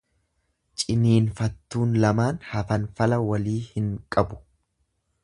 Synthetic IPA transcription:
t͡ʃʼɪniːnfɐt̪ːuːnlɐmaːnhɐfɐnfɐlɐwɐliːhɪŋkʼɐbʊ̥

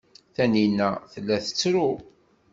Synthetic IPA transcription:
θæninːæθəlːæθə̥t͡sːɾʊ

